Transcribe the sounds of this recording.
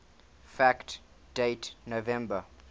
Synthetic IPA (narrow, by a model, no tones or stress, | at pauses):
fækt | d̥etnovɛ̃mbə